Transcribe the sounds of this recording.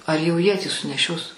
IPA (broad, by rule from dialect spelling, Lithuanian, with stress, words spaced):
ɐr jɛʊ ˈjiɛ tʲiː sʊnʲɛˈʃʲoːs